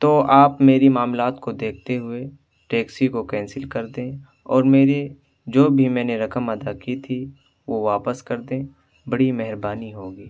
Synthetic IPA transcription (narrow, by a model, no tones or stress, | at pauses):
t̪oːʔaːpmeːɾimaːmlaːt̪kod̪eːk̚ʰt̪eɦʊe | ʈeːksikokɛ̃ːnsɪlkɐɾd̪ẽ | ɔːɾmeːɾe | d͡ʒoːbʱimɛ̃ːneɾɐkəmɐd̪akit̪ʰi | ʋoʋaːpəskəɾd̪ẽ | bɐɽimɛɦɾbaːniɦoːɡiː